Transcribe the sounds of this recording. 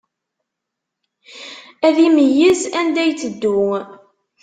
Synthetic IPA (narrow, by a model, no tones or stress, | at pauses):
æðiməjːizænd̪æjt͡sːəd̪ːʊ